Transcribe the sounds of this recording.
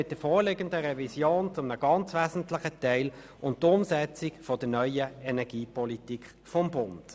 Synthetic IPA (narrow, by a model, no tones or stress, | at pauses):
mɪt̚d̥əfɔːʁlɪɡəndəʁɛvisjoːnt͡sʊmnəɡ̥ɑnt͡svæːzn̩tlɪχətɛɪl | ʊnttːʊmsɛt͡sɪkfod̥ənœʏəɛnɛʁɡ̥iːpʰɔlitikχ | fɔmbʊnd̥